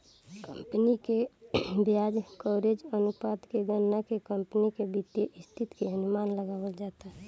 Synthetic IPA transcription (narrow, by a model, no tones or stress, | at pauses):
kə̃mpnikebjad͡ʒkɔːɾed͡ʒənupad̪keɡənːakekəmpnikebit̪jeʔɪst̪ʰit̪keɦənʊmaːnləɡaːʋəld͡ʒaːt̪aɦɛ